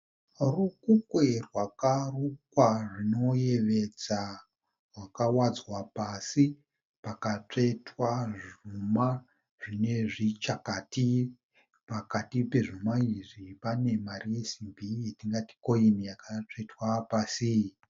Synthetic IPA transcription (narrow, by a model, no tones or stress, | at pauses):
rukukwerwakarukwarino̞je̞ʋe̞d͡za | rwakawad͡zwapasi | pakat͡ʂetwaʐuma | ʐine̞ʐit͡ʃakati | pakatipe̞ʐumaiʐipane̞marije̞simbʱietiŋɡati̥ko̞inijakat͡ʂetwapasi